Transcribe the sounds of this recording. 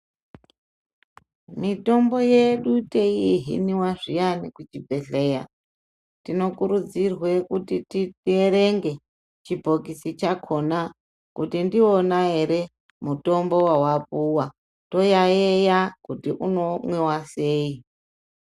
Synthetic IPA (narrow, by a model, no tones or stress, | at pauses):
mito̞mbo̞jeɗuteiɦḭniwaʐijanikut͡ʃibʱe̞ɬe̞ja̰ | tino̞kuɾud͡zirwe̞kutititeɾe̞ŋɡe̞ | t͡ʃibʱo̞kisit͡ʃakʰo̞na | kutindio̞nae̞ɾe̞ | muto̞mbo̞wawapuwa | to̞jaejakutiʔuno̞mwewaseːi